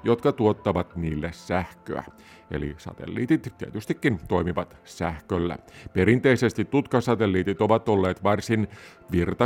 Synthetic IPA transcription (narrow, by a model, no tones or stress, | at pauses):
jo̞t̪kɑt̪uot̪ːɑʋɑt̪niːlːessæhkø̰æ̰ | ḛlḭsɑ̰t̪ḛlːḭːt̪it̪t̪ːiet̪yst̪ikːint̪o̞imiʋɑt̪sæhkølːæ̰pe̞ɾint̪e̞ise̞st̪it̪ːut̪kɑsɑt̪elːiːt̪it̪o̞ʋɑt̪o̞lːeːt̪ʋɑrsin | ʋirt̪ɑ